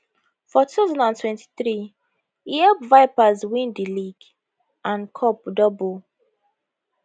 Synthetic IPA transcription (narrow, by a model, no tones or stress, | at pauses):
fɔtutaʊzɔ̃ndãntwɛ̃nti̥θɹi | iɛpvaɪpazwĩndiliɡ | ʔãnkʰɔp̚dɔbɔ